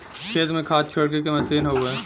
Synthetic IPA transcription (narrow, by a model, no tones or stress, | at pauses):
ʃʰeːzmẽkʰaːt̪̚t͡ʃʰoːɽk̬ek̬emɐsiːnɦoːɡeː